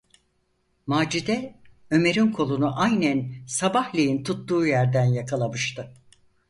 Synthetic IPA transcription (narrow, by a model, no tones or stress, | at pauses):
maːd͡ʒid̪ɛ | ø̞me̞ɾinkʰo̞lˠunuʔajnænsabahlʲejint̪ʰut̪ːuːjæɾd̪ænjakʰalˠamɯʃt̪ʰɯ